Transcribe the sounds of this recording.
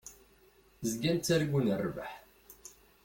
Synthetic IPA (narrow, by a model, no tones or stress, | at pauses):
zɡænt͡sːæɾɡʷunərˤːvəħ